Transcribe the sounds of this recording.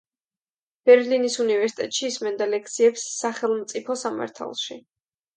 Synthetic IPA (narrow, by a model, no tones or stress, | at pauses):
b̥ɛɾlinisunivɛɾsi̥t̪ʼɛt̪ʼʃiːsmɛnd̪alɛk̚ʰt̪sʰiɛpsːaχɛlˠmt̪sʼipʰɔsama̰ɾt̪ʰa̰lˠʃi